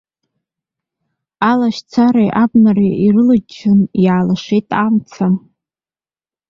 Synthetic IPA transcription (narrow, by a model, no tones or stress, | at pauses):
alaʃt͡sʰaɾajʔabnariirɨlad͡ʒɨnjaːlaʂejtʼamt͡sʰa